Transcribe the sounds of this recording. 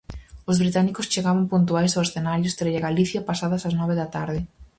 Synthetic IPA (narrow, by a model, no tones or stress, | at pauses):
ozβɾit̪anikost͡ʃeɣaβampunt̪̬uajsawesθenaɾjost̪ɾeʎaɣaliθjapasaðɐsaznɔβeðɐt̪aɾðɪ